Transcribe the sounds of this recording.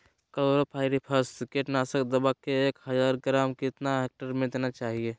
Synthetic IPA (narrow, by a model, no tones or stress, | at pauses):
kəloːɾapʰaːɪɾipʰəskeːʈnaːsəkd̪əbakeːkɦəd͡ʒaːɾɡɾaːmkɪt̪naɦeːk̚ʈəɾmẽd̪eːnat͡ʃaːɦie